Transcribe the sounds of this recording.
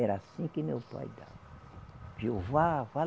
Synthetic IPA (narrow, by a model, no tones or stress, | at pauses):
ɛɾasĩkɪmewpa̰jd̪a̰vɐ | piovafa